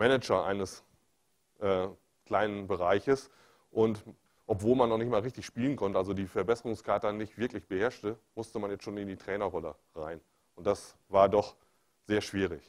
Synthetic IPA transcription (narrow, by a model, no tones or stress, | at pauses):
mɛnɛd͡ʒɐʔa̰ɪnəs | ʔɛː | kl̥aɪnənbəʁaɪçəs | ʔʊnt | ʔɔpv̥oːlmanːɔχnɪçtmaːlʁɪçtɪçʃpiːlənkʰɔntəalzodiːfɛɐbɛsəʁʊŋskʰaɐtanɪçtv̥ɪɐklɪçb̥əhɛɐʃtəmʊstəmanjɛt͡stʃoːnɪndiːtʁ̥ɛːnɐʁɔlə̰ | ʁaɪn | ʊnt̚d̥asvaːɐdɔχ | z̥eːɐʃv̥iːʁ̞ɪç